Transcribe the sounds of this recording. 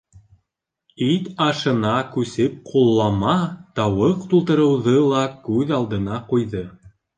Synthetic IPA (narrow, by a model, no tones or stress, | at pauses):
it̪ɑʃɤ̆nɑkʉsɘp̚qʰulˠːɑmɑt̪ɑwɤqt̪ulˠt̪ɤ̆ɾɤ̆wðɤlˠɑkʉðɑlˠd̪ɤ̆nɑqujðɤ